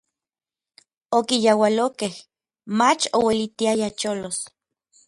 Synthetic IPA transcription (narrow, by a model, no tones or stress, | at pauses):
okijawalokeh | mat͡ʃowelit̪iajat͡ʃolos